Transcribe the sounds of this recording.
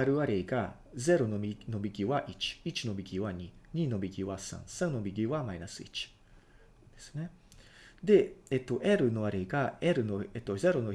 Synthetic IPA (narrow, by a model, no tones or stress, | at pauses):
aɾɯ̟aɾeiɡa | ze̞ɾo̞no̞mʲino̞bʲiɡʲiβaʔit͡ɕi̥it͡ɕino̞bʲiɡʲiβaɲ̟iɲ̟ino̞bʲiɡʲiβasã̰ɴ̃sãñno̞bʲiɡʲiβamainasɨḭt͡ɕi̥ | d̪̥e̞sɨ̥ne̞ | d̪e̞et̪ːo̞ʔeɾɯ̟no̞βaɾeiɡaeɾɯ̟noet̪ːo̞ze̞ɾo̞no